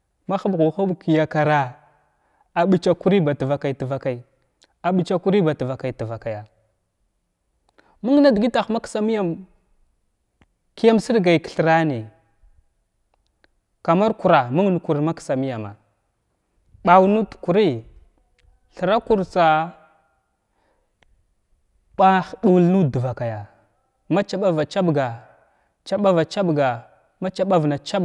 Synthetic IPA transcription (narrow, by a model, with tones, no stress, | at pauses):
ma˦xa˦bɣu˨xu˦bki˨ja˨ka˨ɾa˨ | a˨ɓi˨t͡ʃa˨ku˦ɾi˦ba˨tə˨va˨ka˨i˨tə˨va˨ka˨i˨ | a˨ɓi˨t͡ʃa˦ku˦ɾi˦ba˨tə˨va˨ka˨jtə˨va˨ka˨ja˨ | mu˦ŋ˦na˦dɡi˦ta˨xma˦ksa˦mi˦ja˦˨m | ki˦ja˦msi˦ɾɡa˨jkə̥˨ɬə˨ɾa˦ni˨ | ka˨ma˦ɾku˨ɾa˨mu˦ŋ˦n˨ku˨ɾma˦ksa˨mi˦ja˨ma̰˨ | ɓa˨wnu˦tu̥˨ku˨ɾi˦ | ɬə˨ɾa˦ku˦ɾt͡sa˨ | ɓa˦xdu˨lnu˦du˨va˨ka˨ja˨ | ma˦t͡ʃa˨ɓa˦va˨t͡ʃa˦bɡa˨ | t͡ʃa˨ɓa˦va˨t͡ʃa˦bɡa˨ | ma˦t͡ʃa˦ɓa˦vna˨t͡ʃa˦b